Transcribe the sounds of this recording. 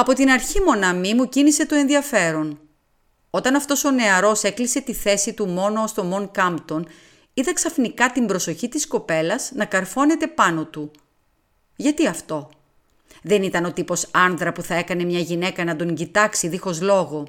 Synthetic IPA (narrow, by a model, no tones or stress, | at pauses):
ɐpo̞t̪inɐɾçimo̞nɐmimucinise̞t̪o̞e̞nðiɐfe̞ɾo̞n | o̞t̪ɐnɐft̪o̞so̞ne̞ɐɾo̞se̞klise̞t̪iθe̞sit̪umo̞no̞ost̪o̞moŋkɐmpt̪o̞n | iðɐksɐfnikɐt̪imbɾo̞so̞çit̪isko̞pe̞lɐznɐkɐɾfo̞ne̞t̪e̞pɐno̞t̪u | ʝɐt̪iɐft̪o̞ | ðe̞nit̪ɐno̞t̪ipo̞sɐnðɾɐpuθɐekɐne̞mɲɐʝine̞kɐnɐd̪o̞ɲɟit̪ɐksiðixo̞zlo̞ɣo̞